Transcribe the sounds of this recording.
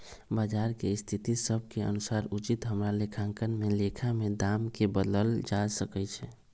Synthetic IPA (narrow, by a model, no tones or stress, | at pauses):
bad͡ʒaɾkest̪ʰit̪isəb̚ʱkeə̰nusaɾut͡ʃit̪ɦəmɾalekʰãŋkənmelekʰamed̪amkebəd̪əld͡ʒasəkɛt͡ʃʰɛ